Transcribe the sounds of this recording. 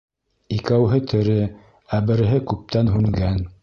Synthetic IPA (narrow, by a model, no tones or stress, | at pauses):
ikæwɦɘt̪ʰɘ̆ɾɘ | æbɘ̆ɾɘ̆ɦɘkʉp̚t̪ænɦʉŋɡæn